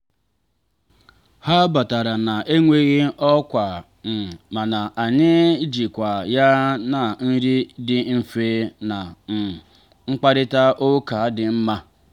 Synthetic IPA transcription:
ha˦ba˨ta˨ɾa˨na˨ʔe˦ŋʷe˦ɣi˦ɔ˦kʷa˨ | n̩˨ma˨na˨ʔa˨ɲɪ˦d͡ʒi˨kʷa˨ja˦na˨n̩˦ɾi˦dɪ˨m̩˦fe˦na˨m̩˨ | ŋ͡m̩˦k͡pa˦ɾɪ˦ta˦ʔo˦ka˨˦dɪ˨m̩˦ma˦

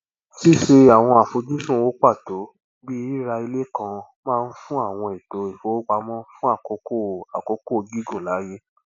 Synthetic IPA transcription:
si˦ʃe˧a˨w̃ɔ̃˧a˨fo˧˦d͡ʒi˦sũ˦˨wo˦k͡pa˦˨to˨˦ | bi˦i˦ɾa˧i˧le˦kã˧ | mãː˦˧n̩˦fũ˦a˦˨w̃ɔ̃˧e˨to˨˦i˨fo˨˦o˦ɡ͡ba˧˦mɔ̃˦fũ˦a˦˨ko˨˦ko˦a˨ko˨˦ko˦˧ɡi˦ɡo˦˨la˨˦je˦

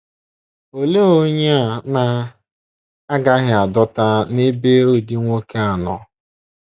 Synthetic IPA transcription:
o˨le˦o˦ɲe˦a˨na˦ | a˦ɡa˦ɦɪ˨a˨dɔ˦ta˦ne˦be˦o˦˨di˦ŋʷo˦ke˦a˨nɔ˨

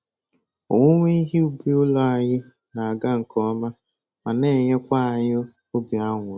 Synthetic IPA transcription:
o̰˨ŋʷʊ˦ŋʷe˦i˦ɦi˦u˦bi˦ʊ˦lɔ˦a˨ɲɪ˦ | na˨a˨ɡa˦ŋ̩˨kʰɔ˦ma˦ | ma˨ne˦˨ɲe˦kʷa˦a˨ɲɪ˦ | o˦ba˦ŋʷʊ˨˦

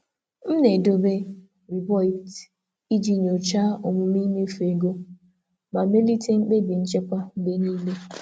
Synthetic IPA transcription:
m̩˦ne˨do˦be˦ | ɾi˨bɔ˦ɪ˨t | i˦d͡ʒi˦ɲ˨o˨t͡ʃa˦o˨mʊ˦m˦i˦me˦fe˨ɡo˦ | ma˨me˦li˦te˦ŋ͡m̩˦k͡pe˦bi˨n̩˦t͡ʃe˦kʷa˦be˦niː˦le˦

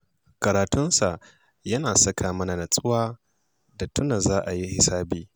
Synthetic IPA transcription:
kɐ˨ɾaː˨tʊ˦nsa˨ʔ | jɐ˦naː˨sɐ˦kʰaː˨mɐ˦na˨nɐ˨sʼʊ˦waː˦ | da˨tʰʊ˦na˨zaː˦ʔa˨ji˦hɪ˨saː˦biː˨

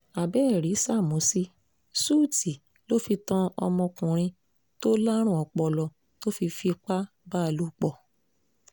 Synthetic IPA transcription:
a˨bɛ˦˨ɾi˨˦sa˦˨mũ˨˦si˦ | suː˦˨ti˨ | lo˦fi˧tã˦ɔ̰˧mɔ̃˧kũ˨ɾ̃ĩ˧ | to˦la˦ɾ̃ũ˦˨ɔ˨k͡pɔ˨lɔ˨˧ | to˦fi˧fi˧k͡pa˦ | ba˦˧˨lu˦k͡pɔ˦˨

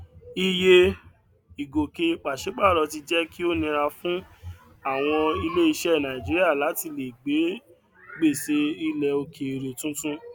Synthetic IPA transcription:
i˧je˧ | i˨ɡo˨ke˧k͡pa˨ʃe˨˦k͡pa˦˨ɾɔ˧ti˧d͡ʒɛ˦ki˦o˦nĩ˧ɾa˧fũ˦ | a˦˨w̃ɔ̃˧i˧le˦i˧ʃɛ˦˨nã˨ĩ˨d͡ʒi˨˦ɾi˦a˦˨la˨˦ti˧le˨ɡ͡be˨˦ | ɡ͡be˦˨se˦i˧lɛ˧o˧ke˨ɾe˨tũ˦tũ˦

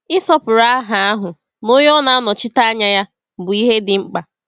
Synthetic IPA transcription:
ɪ˦sɔ˦pʊ˨ɾa˦a˦ɦa˨a˦ɦʊ˨ | no˦jɔ˦na˨˦a˦nɔ˨t͡ʃɪ˦ta˦a˦ɲa˦ja˦ | bʊ˨i˦ɦe˦dɪ˨ŋ͡m̩˦k͡pa˨

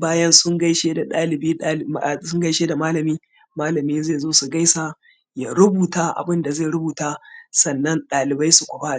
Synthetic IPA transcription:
baː˦jɐ˦nsʊ˦ŋɡa˦jʃeː˦da˨ɗaː˦lɪ˨biː˦a˦˨sʊ˦ŋɡɐ˦jʃeː˦da˨maː˦lɐ˨miː˦ | maː˦lɐ˨miː˦zeː˦˨zoː˦su˨ɡa˦jsa˦ | ja˨ɾʊ˦buː˨taː˦ʔa̰˨bɪ˦nda˨zeː˦˨ɾʊ˦buː˨taː˦sɐ˨nːɐ˦nɗaː˨lɪ˨ba˦jsu˨kʷʊ˨ɸa˦˨

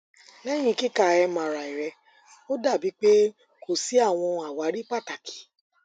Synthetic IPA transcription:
lɛ˦j̃ĩ˧ki˦ka˨ɛ˧mã˨ɾa˨i˨ɾɛ˧ | o˦da˦˨bi˨˦k͡pe˦ | ko˦˨si˨˦a˦˨w̃ɔ̃˧a˨wa˨˦ɾi˦k͡pa˦˨ta˨kʰi̥˨˦

